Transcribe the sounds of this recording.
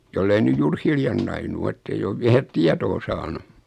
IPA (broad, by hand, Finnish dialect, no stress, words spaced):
jolːei nyj juːr hiljɑn nɑinu o etːeij oʋ ʋiæ tiɑtoː sɑːnu